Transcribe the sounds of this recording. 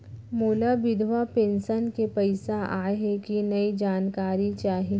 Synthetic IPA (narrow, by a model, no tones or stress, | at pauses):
moːlaʋɪd̪ʱwapẽːnsənkepɐɪsaʔaːɦekinɐid͡ʒaːnkaːɾit͡ʃaːɦi